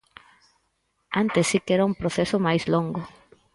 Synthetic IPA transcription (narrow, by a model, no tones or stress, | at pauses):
ant̪esːikɛɾaumpɾoθesʊmajzloŋɡʊ